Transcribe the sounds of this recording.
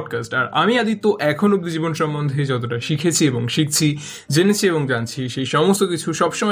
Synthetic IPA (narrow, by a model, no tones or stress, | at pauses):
ɖkasʈaɾa̰miad̪it̪ːoʔɛkʰonuɡ̚d̪id͡ʑibonʃɔmbond̪ʱed͡ʑɔt̪oʈaʃikʰet͡ɕʰieboŋʃik̚t͡ɕʰi | d͡ʑenet͡ɕʰieβoŋd͡ʑant͡ɕʰiʃejʃɔmost̪okit͡ɕʰuʃɔbʃomɔ